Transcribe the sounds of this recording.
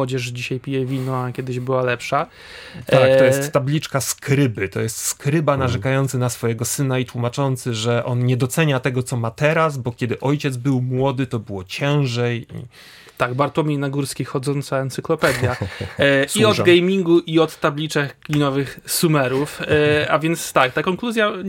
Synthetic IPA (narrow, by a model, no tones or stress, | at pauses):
ɔd͡ʑɛʂd͡ʑiɕajpʲijɛvʲinɔakʲjɛd̪ɘʑbɘwalɛpʂa | at̪ɔjɛst̪ːablʲit͡ʂkaskɾɘbɘt̪ɔjɛst̪skɾɘbanaʐɛkajɔnt̪sɘnasfɔjɛɡɔsɘnait̪wumat͡ʂɔnt̪sɘʐɛʔɔnɲɛd̪ɔt̪sɛɲat̪ɛɡɔt̪sɔmat̪ɛɾazbɔkʲɛd̪ɘʔɔjt͡ɕɛd̪zbɘwmwɔd̪ɘt̪ɔbɘwɔt͡ɕɛ̃w̃ʐɛjḭ | t̪aɡbaɾt̪ɔmʲinaɡuɾskʲixɔd̪zɔnt̪saɛnt̪sɘklɔpɛd̪ʲjja | siɔd̪ɡɛjmʲiŋɡuʔiɔt̪ːablʲit͡ʂɛkɡmʲinɔvɘxsumɛɾufavʲjɛnt̪st̪ak̚t̪akɔŋkluzʲja